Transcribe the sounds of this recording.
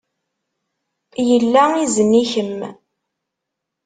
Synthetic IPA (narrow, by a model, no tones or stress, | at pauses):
jəlːæizənːiçəmː